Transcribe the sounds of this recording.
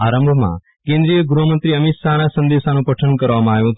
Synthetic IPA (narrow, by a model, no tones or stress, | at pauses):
aɾə̃mbʱmã̰ | kẽnd̪ɾijəɡɾomənt̪ɾiəmɪt̪ʃanasə̃nd̪eʃanũpəʈʰənkəɾʋamãaːʋjũt̪